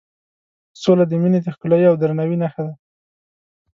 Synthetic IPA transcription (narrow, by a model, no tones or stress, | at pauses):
solad̪əmined̪əxkʊlajawd̪ɾanawinaxad̪a